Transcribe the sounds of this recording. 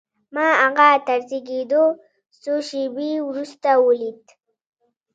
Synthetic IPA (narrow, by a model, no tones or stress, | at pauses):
maaɣat̪aɾziked̪o | soʃebiwɾust̪awolit̪